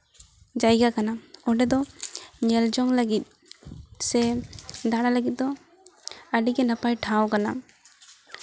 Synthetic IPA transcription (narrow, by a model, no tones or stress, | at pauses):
d͡ʒajɡakanaɔɖɛd̪ɔɲɛld͡ʒɔŋləɡit̪̚ | sɛd̪aɽaləɡit̪̚d̪ɔ | əɖiɡɛnapajʈʰãwkana